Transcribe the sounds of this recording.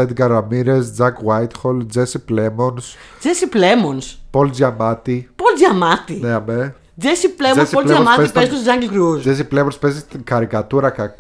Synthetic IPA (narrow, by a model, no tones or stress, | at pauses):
ed̪ɡɐɾɐmiɾesd͡zɐkwajt̪xold͡zesiplemons | d͡zesiplemonspold͡zʝɐmɐt̪ipolzʝɐmɐt̪ineɐme | d͡zesiplemoesioleɐmɐtiezik̪osozɐŋɡlkɾuzd͡zesiplemonspezist̪iŋxɐɾikɐt̪uɾɐkɐk